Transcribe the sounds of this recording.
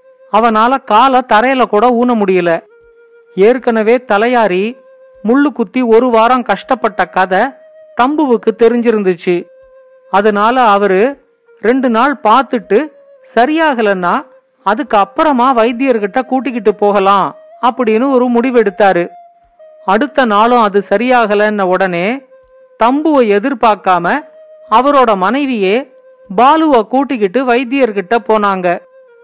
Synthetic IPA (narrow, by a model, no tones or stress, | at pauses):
ɐʋɐnaːlɐkaːlɐt̪ɐɾɐjɐlɐkuːɽɐuːnɐmʊɽɪjɐlɐ | eːɾkɐnɐʋeːt̪ɐlɐjaːɾi | mʊɭːɯkːʊt̪ːiɔɾɯʋaːɾɐŋkɐʂʈɐpːɐʈːɐkɐðɐ | t̪ɐmbɯʋɯkːɯt̪ɛɾɪɲd͡ʒɪɾɯnd̪ɯt͡ʃːɯ | ɐðɐnaːlɐːʋɐɾɯ | ɾɛɳɖɯnaːɭpaːɾt̪ɯʈːɯ | sɐɾɪjaːɣɐlɐnːaː | ɐðɯkːɯɐpːɐɾɐmaːʋɐɪd̪ɪjɐɾkɪʈːɐkuːʈ̬ːɪk̬ːɪʈːɯpːoːɣɐlãːɐpːɐɽɪnːɯɔɾɯmʊɽɪʋɛɽɯt̪ːaːɾɯ | ɐɽɯt̪ːɐnaːlʊ̃ɐðɯsɐɾɪjaːɣɐlɐnːɐɔɽɐneː | t̪ɐmbɯʋɐɛðɪɾpaːɾkaːmɐɐʋɐɾoːɽɐmɐnɐɪʋɪjeː | baːlɯʋaːkuːʈːɪk̬ːɪʈːɯʋɐɪd̪ɪjɐɾkɪʈːɐpːoːnaːŋɡɐ